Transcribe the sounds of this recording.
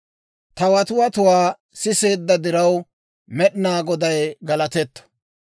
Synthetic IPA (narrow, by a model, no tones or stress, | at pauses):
t̪ɐwɐt̪ʊwɐt̪ʊwaː | sɪse̞ːd̪ːɐd̪ɪɾɐw | mɛɗɪnaːɡɔd̪ɐjɡɐlɐt̪ɛt̪ːɔ̥